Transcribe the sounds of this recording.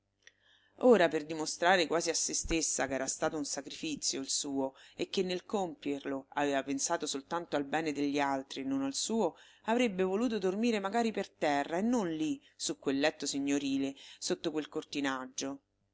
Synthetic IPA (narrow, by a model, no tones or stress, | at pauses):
oːɾaperd̪imost̪ɾaːɾekwaːziasːest̪esːak̟ɛːɾast̪aːt̪ounsakɾifit̪sːjoilsuːoekːenːelkompjerloa̰veːvapensaːt̪osolt̪ant̪oalbɛːned̪eʎːialt̪ɾinonalsuːo | avɾebːevoluːt̪̬od̪ormiːɾemaɡaːɾipert̪ɛrːaenːonli | sukːwelːɛt̪ːosiɲːoɾiːlesot̪ːokwelkort̪inad͡ʒːo